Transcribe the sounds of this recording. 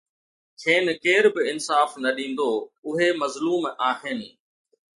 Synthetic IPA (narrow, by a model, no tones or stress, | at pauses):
t͡ɕʰeːnɪ̆keːɾbɪɪnsaːfnɐɗĩːn̆d̪oʊɦemɐzluːmaːɦɪnɪ̆